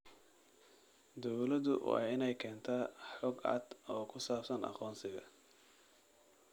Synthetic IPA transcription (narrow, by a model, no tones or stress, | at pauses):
d̪ɔwlɐðʊ̰wɑ̰ːɪnɛjkʰɛːnt̪ʰaːħɔɡɐ̰ːd̪ɔːkʰʊsaːfsɐnɑ̰qɔːnsɪɣɐ̰